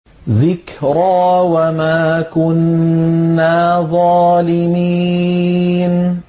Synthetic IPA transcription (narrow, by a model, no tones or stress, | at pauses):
ðɪkɾaːwamaːkʊnː | aːðˤɑːlɪmiː | n